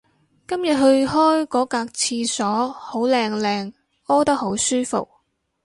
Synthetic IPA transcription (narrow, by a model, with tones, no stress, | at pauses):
kɐ˥mjɐ˨t̚ɦɵ˧ɥɦɔː˥jkɔː˨˥kaː˧k̚t͡sʰiː˧sɔː˨˥ho˨˥wlɛː˧ŋlɛː˧ŋ | ɔː˥t̪ɐ˥k̚ho˨˥wsyː˥fo̰˨k̚